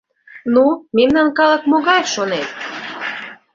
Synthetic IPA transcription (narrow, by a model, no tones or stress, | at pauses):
numemnɑnkɑlə̆k̚moɣɑjʃonet̪̚